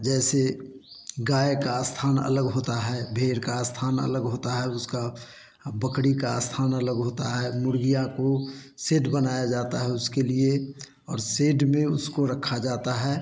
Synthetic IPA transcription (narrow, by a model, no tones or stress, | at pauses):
d͡ʒɛːse | ɡaːekast̪ʰaːnə̰ləɡɦoːt̪aɦɛbʱeːɾkast̪ʰaːnə̰ləɡɦoːt̪aɦɛʊska | bəkɽikast̪ʰaːnələɡɦoːt̪aɦɛmʊɾɡijãkoseːɖbənaːjad͡ʒaːt̪aɦɛʊskelie | ɔːɾseːɖmẽʊ̰skoɾəkʰːad͡ʒaːt̪aɦɛː